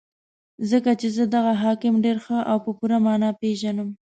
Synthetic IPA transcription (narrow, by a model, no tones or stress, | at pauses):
zəkat͡ʃezəd̪aɣaɦɑkɪmɖeɾxəʔawpəpuɾamɑnɑpeʒanəm